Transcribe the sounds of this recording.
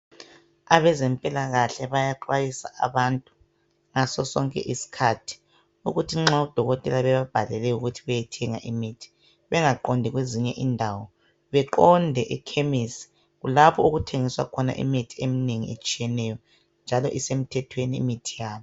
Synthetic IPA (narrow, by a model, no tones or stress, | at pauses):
aβɛzɛmpʼilaɣaɬɛβajaǃwajisa̰ʔa̰βantʼu | ŋasɔsɔŋkʼɛ̰ʔisi̥kʰatʰi̥ | uɣutʰiŋ͡ǁaud̥ʱɔɣɔtʼɛlaβɛβab̥ʱalɛlɛuɣutʰiβɛjɛtʰɛŋa̰ʔimiːtʰi̥ | βɛŋaǃɔndʱɛɣweziɲɛʔindʱawɔ | βɛǃɔndʱɛʔikʰemisi̥ | ɣulapʰɔuɣutʰeŋiswa̰kʰɔna̰ʔḭmitʰiemineŋḭḛt͡ʃʼijɛnɛjɔ | nd͡ʒʱalɔʔisem̩tʰɛtʰwenḭːmitʰijaːβɔ